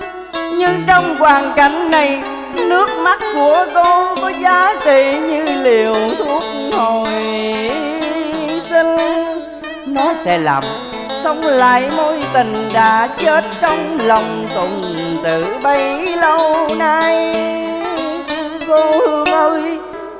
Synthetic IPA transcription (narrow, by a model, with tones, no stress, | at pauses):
ɲɨ˧ŋt͡ɕɔ˧wŋ͡mkwaː˨˩nka˧˩jŋ̟na˨˩j | nɨ˦˥ək̚ma˦˥t̚ku˧˩ət̪o˧kɔ˨˦zaː˨˦t͡ɕi˧˨ɲɨ˧li˨˩əwt̪ʰu˦˥ək̚ho˨˩j | si˧ŋ̟ | nɔ˨˦sɛ̰˧˥la̰ː˨˩m | sə˧wŋ͡mla̰ː˧˨jmo˧jt̪ï˨˩ŋ̟ɗaː˧˦t͡ɕe˦˥t̚t͡ɕɔ˧wŋ͡mlə˨˩wŋ͡mt̪ʊ˨˩n | t̪ɨ̰˧˨ɓə˧jlə˧wnaː˧j | ko˧hmə˧j